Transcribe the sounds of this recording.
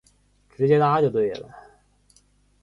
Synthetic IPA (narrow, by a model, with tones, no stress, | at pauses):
ʈ͡ʂɻ̩˧˥t͡ɕjɛ˥t̪a˥t͡ɕjo˥˧ʊt̪̬we˥˩ɪlə̰˨˩